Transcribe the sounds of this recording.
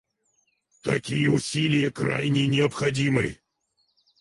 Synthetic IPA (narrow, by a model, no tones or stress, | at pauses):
t̪ɐkʲijəʊsʲilʲɪjəkra̰jnʲɪnʲɪəpxɐdʲimɨ̰